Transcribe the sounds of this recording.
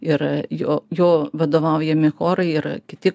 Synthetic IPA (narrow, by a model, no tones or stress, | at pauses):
ɪɾjoːjoːʋɐd̪oːʋɐˑʊjɛmʲɪxoːɾɐɪɪɾkʲɪt̪ʲɪ